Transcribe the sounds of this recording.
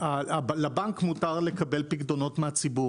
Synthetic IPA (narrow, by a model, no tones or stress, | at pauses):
aablabaŋkmutaʁle̞kabelpiɡd̪ono̞tmeat͡sibu